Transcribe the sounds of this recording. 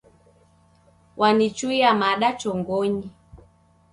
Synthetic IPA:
wʔanit͡ʃuiamaɗat͡ʃɔŋɡɔɲi

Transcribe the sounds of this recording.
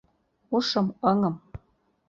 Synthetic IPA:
uʂɤ̆mɤŋɤ̆m

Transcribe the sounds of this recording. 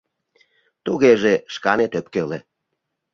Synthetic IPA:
t̪uɣeʒeʃkɑnet̪ĕpkele

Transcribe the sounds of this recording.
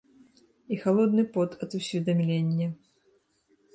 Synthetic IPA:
ixalˠɔd̪nɨpɔt̪ʰɐt̪usʲvʲid̪amlʲenʲːɐ

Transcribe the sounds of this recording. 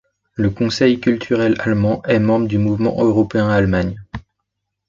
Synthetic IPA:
ləkɔ̃sɛjkʲylt̪ʰyʁɛlalmɑ̃ʔɛmɑ̃bʁəd̪ymuvmɑ̰̃ʔøʁɔpeɛ̃almaɲ

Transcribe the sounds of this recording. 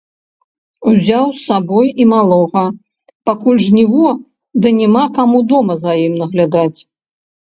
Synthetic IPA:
uzʲawsabɔjimalˠɔɣɐ | pakulʲʐnʲivɔ | d̪ɨnʲɛmakamud̪ɔmɐzɐjimnɐɣlʲad̪at͡sʲ

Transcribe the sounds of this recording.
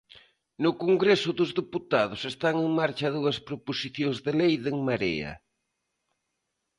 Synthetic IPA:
nʊkoŋɡɾesʊðʊzðiput̪aðʊsest̪aŋeŋmaɾt͡ʃɐðuɐspɾoposiθjoŋzðelejðeŋmaɾḛɐ̰

